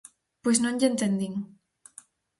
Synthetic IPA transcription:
pwesnõnʲʎent̪end̪iŋ

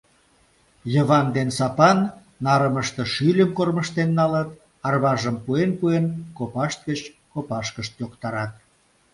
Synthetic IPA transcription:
jəβɑnd̪ensɑpɑnː | ɑɾəməʃt̪ĕʃylʲəmkorməʃt̪enːɑlət̪ | ɑrβɑʒəmpuenpuenkopɑʃt̪̚ɡət͡ɕ | kopɑʃkəʃt̪jokt̪ɑɾɑt̪̚

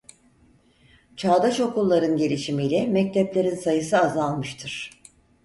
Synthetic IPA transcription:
t͡ʃʰaːd̪aʃo̞kulˠːaɾɯnɟelʲiʃimijlʲɛmɛc̚t̪ʰɛplʲe̞ɾinsajɯsɯazalˠmɯʃt̪ʰɯɾ̥

